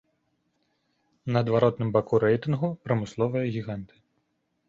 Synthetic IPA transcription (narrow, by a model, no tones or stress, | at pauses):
nɐːd̪vaɾɔt̪nɨmbakuɾɛjt̪ɨnɣupɾɐmɨslˠɔvɨjɐɣʲiɣant̪ɨ̥